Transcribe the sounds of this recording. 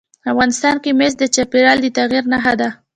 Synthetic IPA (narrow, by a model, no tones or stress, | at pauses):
afɣɑnɪst̪ɑnkemesd̪ət͡ʃapeɽɑld̪ət̪aɣiɾnaɦad̪a